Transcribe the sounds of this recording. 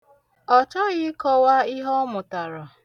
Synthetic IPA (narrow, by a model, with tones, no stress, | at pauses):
ɔ˨t͡ʃɔ˦ɣɪ˦kɔ˦wa˦i˦ɦɔ˦mʊ˨ta˨ɾɔ˨